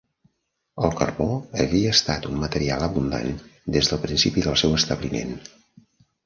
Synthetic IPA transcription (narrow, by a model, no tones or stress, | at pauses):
əlˠkə̰rβoəβiəːst̪at̪ummət̪əɾialˠəβund̪a̰nd̪ezðəlˠpɾinsipiðəlˠsɛwəst̪əβlimḛn